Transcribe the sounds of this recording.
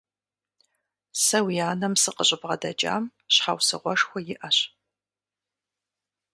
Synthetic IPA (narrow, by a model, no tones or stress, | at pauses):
sɐwijaːnɐmsɨqəɕʼɪbʁɐdɐd͡ʒʼa̰ːmɕħa̰wsɨʁʷɔʂxʷɔjɪʔɐɕ